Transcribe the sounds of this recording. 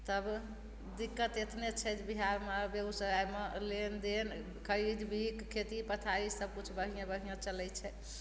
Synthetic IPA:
t̪əb | d̪ikːət̪et̪net͡ʃʰɛd͡ʒbiɦaɾmabeusəɾajmelend̪en | kʰəɾid̪bʱikkʰːet̪ipət̪ʰaisəb̚kut͡ʃʰbəɦijãbəɦijãt͡ʃəlɛt͡ʃʰɛ

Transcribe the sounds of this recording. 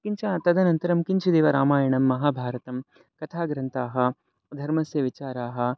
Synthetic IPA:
kiɲt͡ʃaːt̪ɐd̪ɐnɐnt̪ɐɾɐmkiɲt͡ʃid̪eːʋɐɾaːmaːjɐɳɐmːɐɦaːbʱaːɾɐt̪ɐm | kɐt̪ʰaːɡɾɐnt̪aːɦɐ̆ | d̪ʱɐɾmɐsjɐʋit͡ʃaːɾaːɦɐ̆

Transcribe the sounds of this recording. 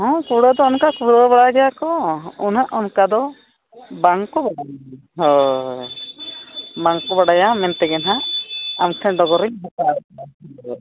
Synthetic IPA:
ɦɔ̃kuɽad̪ɔːnkakuɾabaɽaɡɛjakɔunaʔɔnkad̪ɔ | baŋkubaɽaja | ɦɔ | baŋkubaɽajamɛnt̪ɛɡɛnɦaamtʰɛɖɔɡɔɾiɲɦɔt̪aaɾɛa

